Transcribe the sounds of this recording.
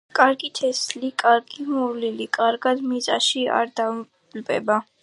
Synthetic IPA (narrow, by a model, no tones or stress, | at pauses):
kʼaɾɡit̪ʰɛslikʼaɾɡimuvlilikʼaɾɡad̪mizʼaʃia̰ɾd̪a | lpʼɛ̰ba